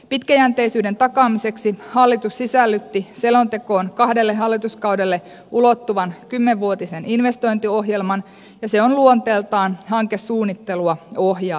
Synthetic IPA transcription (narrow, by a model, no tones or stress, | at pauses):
pit̪kæjænt̪e̞isyːde̞nt̪ɑkɑːmise̞ksihɑlːit̪ussisælːyt̪ːiselo̞nt̪e̞ko̞ːnkɑhdelːeɦɑlːit̪uskɑwde̞lːe̞ | ʔulot̪ːuʋɑnkymːeʋːuot̪ise̞ninʋe̞st̪o̞jnt̪io̞ɦjelmɑn | jɑse̞onluont̪e̞ːlt̪ɑːnhɑŋkesːuːnːit̪ːe̞luɑohjɑː